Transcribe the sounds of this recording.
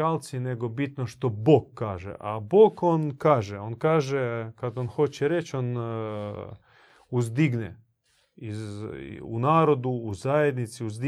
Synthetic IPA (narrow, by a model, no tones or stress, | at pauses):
alt̪sine̞ɡo̞bit̪noʃt̪o̞boɡkːaːʒḛʔa̰boːɡonkaːʒeo̞nkaːʒekad̪onxo̞t͡ɕeɾet͡ɕon | uzd̪iɡnḛ | i | ṵnaːɾo̞d̪uːzajed̪nit̪siuzd̪i